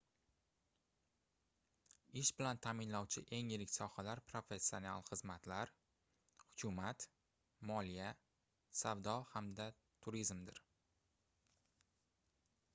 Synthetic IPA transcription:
ɪʃbɪlant̪ʰamɪnlɒwt͡ʃʰɪʔe̞ŋjɪɾɪkʲsɒhalaɾpʰɾo̞fe̞sʲːio̞nalˠχɨzmat̪laɾ | hʊkʲʰʊmat̪ | mɒlija | savd̪ɒhamd̪a | t̪ʰʊɾizmd̪ɪɾ

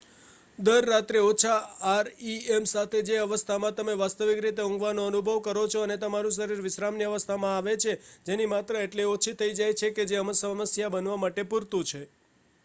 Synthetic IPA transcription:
d̪əɾːat̪ɾeot͡ʃʰaːɾiemsat̪ʰed͡ʒeəʋəst̪ʰamãt̪əmeʋast̪əʋikɾit̪eõŋɡʋanoənubʱəʋkəɾot͡ʃʰoənet̪əmaɾũs̬əɾiɾʋɪʃɾamniəʋəst̪ʰamãaʋet͡ʃʰed͡ʒenimat̪ɾəeʈleot͡ʃʰit̪ʰəid͡ʒajt͡ʃʰeked͡ʒeəməsəməsjabənʋamaʈepuɾt̪ũt͡ʃʰe

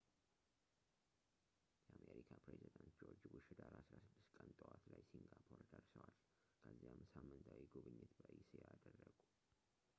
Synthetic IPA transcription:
jəʔameɾikʰapɾezid̪ant̪d͡ʒoɾd͡ʒbʊʃɪd̪aɾaasɾasɨd̪ːɨst̪kʼənt̪ʼəwat̪lajsiŋɡapʰoɾd̪əɾsəwal | kʰəzːijamsamːɨnt̪ʰawiɡuβɨɲːɪt̪bəʔisɨjad̪ərːəɡu

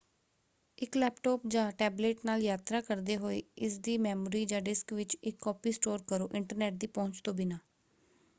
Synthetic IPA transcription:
ɪklɛːpʈɔːpd͡ʒãːʈɛːbleːʈnaːljaːt̪ɾaːkəɾd̪eːɦoːiːɪsd̪iːmɛːmoːɾiːd͡ʒãːɖɪskʋɪt͡ʃɪkːɔːpiːsʈoːɾkəɾoːʔɪɳʈəɾnɛːʈ̚d̪iːpɔ̃ːɲt͡ʃt̪õːbiːnãː

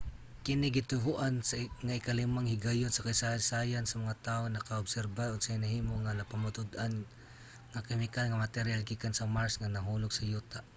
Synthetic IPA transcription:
kɪnɪɡɪt̪ʊɦuʔansŋaʔɪkalɪmaŋhɪɡajʊnsakajsasajansɐmaŋat̪aonɐkaʊbsɛɾbaʔoɡsahɪnaɦiːmoŋanapamʊt̪ʊd̪ʔan | ŋakɛmɪkalŋamat̪ɛɾjalɡikansamaɹsŋanɐɦuːlʊɡsɐjuːt̪aʔ

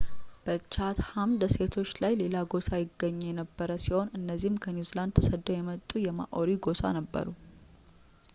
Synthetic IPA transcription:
b̥ət͡ʃʰat̪hamd̪əse̞t̪ʰo̞t͡ʃːlajle̞laɡo̞sajɪɡːəɲːɛjɛnəbːəɾəsiho̞nɨnːəzːihmkʰəniuziland̪̚t̪ʰəsəd̪ːojɛmət̪ʼːujɛma̰ʔoɾiɡo̞sa̰nəbːə̰ɾu

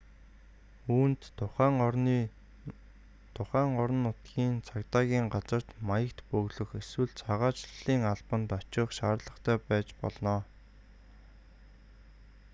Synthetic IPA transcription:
uːnt̪ʰʊχæːŋi | t̪ʰʊχæːŋɔɾɞ̆nːʊt̪ɡʲiːnt͡sʰakt̪aːɣʲiːŋɢat͡sə̆r̥t̪majə̆kt̪pɵɣɮɵ̆xeswɘ̆ɮt͡sʰaʁaːt͡ɕɮ̥iːŋaɮpə̆nt̪ɔt͡ɕɪ̆χʃaːrɮə̆χt̪ʰæːpæːt͡ɕpɔ̰ɮnɔː

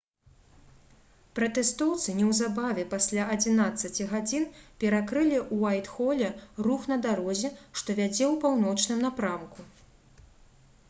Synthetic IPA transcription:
pɾɐt̪ɛst̪ɔwt̪sɨnʲɛwzabavʲɛpasʲlʲaʔɐd͡zʲinat̪sːɐt͡sʲiɣad͡zʲinpʲɛɾakɾɨlʲiʔuajt̪xɔlʲɛruxnɐd̪aɾɔzʲɛʂt̪ɔvʲad͡zʲɛwpawn̪ɔt͡ʂnɨmnapɾamku

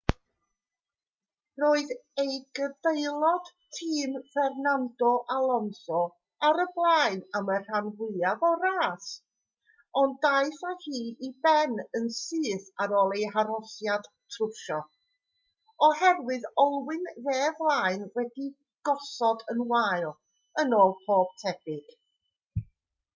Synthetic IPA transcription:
roːɨðejɡədejlˠɔd̥tʰiːmfɛrnandɔʔalˠɔnsɔ | aɾəblˠaːɨnamər̥anvɪavɔraːs | ɔnajθahiːʔibɛnənsɨːθaɾɔːlˠejɦaɾɔsjad̥ | tʰrʊrʃɔ | ɔhɛrwɨðɔlˠwɪnðeːvlˠaːɨnwɛdi | ɡ̥ɔsɔdənwajlˠ | ənoːlˠpʰoːb̥̚tʰɛb̥ɪɡ̥

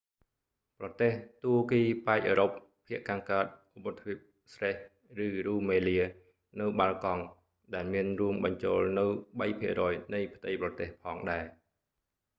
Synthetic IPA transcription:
prɑt̪eːht̪uəkiːpaɛk̚ʔəːɾopʰː | iəʔkaːŋkaət̪̚ʔopːɨt̪ʰːip̚ | sreh | rɨːruːmeːliə | nɨwɓalkɑŋ | ɗaɛlmiənruəmɓɑɲt͡ɕoːlnɨwɓəjpʰiərɔːjnɨjpʰt̪ɨjprɑt̪eːhpʰɑːŋɗaɛ

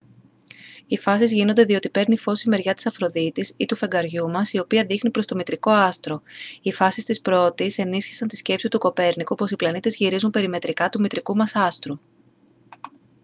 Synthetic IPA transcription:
ifɐsizʝino̞nd̪e̞ðio̞t̪ipe̞ɾnifo̞sime̞ɾʝɐt̪i̥sɐfɾo̞ðit̪isit̪ufe̞ŋɡɐɾʝumɐsio̞piɐðixnipɾo̞st̪o̞mit̪ɾiko̞ɐst̪ɾo̞ifɐsist̪ispɾo̞t̪ise̞nisçi̥sɐnt̪isce̞psit̪uko̞pe̞ɾnikuoposiplɐnit̪e̞zʝiɾizumpe̞ɾime̞t̪ɾikɐt̪umit̪ɾikumɐsɐst̪ɾu

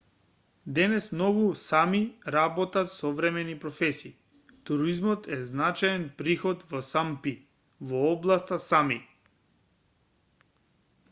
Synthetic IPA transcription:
d̪ɛnɛsmnɔɡusamiɾabɔt̪at̪sɔvɾɛmɛnipɾɔfɛsiː | t̪uɾizmɔt̪ʰɛznat͡ʃajɛnpɾixɔt̪vɔsampi | vɔɔblˠast̪asami

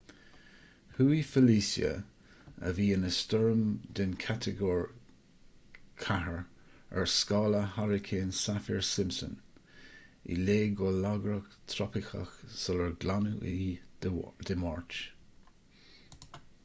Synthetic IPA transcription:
huːifəliːsjə̰ | ə̰viːənəstɔɹmd̪ɪnkʰat̪ʰəɡɔːɹ | kʰaɦəɹ | ə̰ɹskɑːləhaɹɪkʰeːnsafiɹsɪmsə̰n | ḭleːɡolaɡɾəkt̪ʰɾɔpɪxə̰xsɔləɹɡlanuʔi | d̥̪əmɔɹt͡ʃ

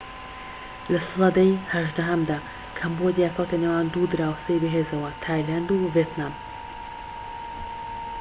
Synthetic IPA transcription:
lɐsɨlˠɐd̪ɐjhɐʒd̪ɐɦɐmd̪aː | kʰɐmbod̪jakʰɐwt̪ʰɐnewaːnd̪ud̪ɨɾaːwsejbɨɦeːzɐwɐt̪ʰaːjland̪uviet̪naːm

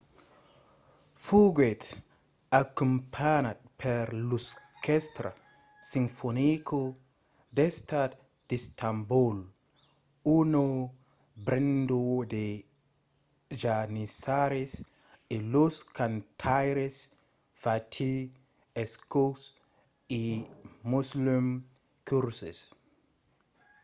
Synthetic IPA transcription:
fuɡwet | akumpʰanat̚pʰeɾlus | kest̪ɾa̰ | sinfonikʰo | dest̪at | d̥istambul | uno | bɾendode | d͡ʒanisaɾes | eloskant̪ʰajɾes | fatʰi | eskos | imuslum | kuɾsḛs

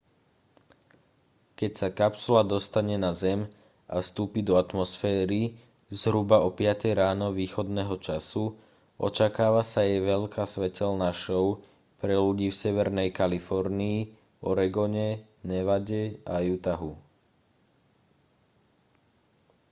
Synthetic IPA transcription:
kɛcsakapsulad̪ɔst̪aɲɛnazɛm | ʔa̰fst̪uːpid̪ɔat̪mɔsfɛːɾi | zɦɾubaɔpɪat̪ɛjɾaːnɔʋiːxɔd̪nɛɦɔt͡ʃasu | ʔɔ̰t͡ʃakaːʋasajɛʋɛʎkaːsʋɛcɛlnaʃɔʊ | pɾɛluɟiːfsɛʋɛɾnɛjkalifɔɾniː | ɔɾɛɡɔɲɛ | ɲɛʋaɟɛajut̪aɦu

